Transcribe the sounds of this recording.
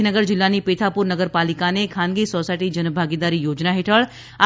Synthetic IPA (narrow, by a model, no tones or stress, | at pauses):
inəɡəɾd͡ʒɪlːanipeːt̪ʰapʊɾnəɡəɾpaːlɪkanekʰaːnɡisoːsaːɪʈid͡ʒənbʱaːɡid̪aːɾijoːd͡ʒnaɦɪʈʰəɭ | a